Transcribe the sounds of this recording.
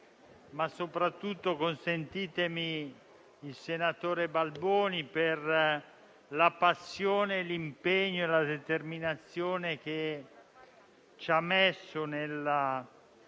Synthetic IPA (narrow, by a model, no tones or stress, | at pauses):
masːopɾat̪ːut̪ːokonsent̪iːt̪emi | ilsenat̪oːɾebalbɔːniper | lapasːjoːnelimpeɲːoelad̪et̪erminat̪sːjoːnek̟e | t͡ʃamesːonela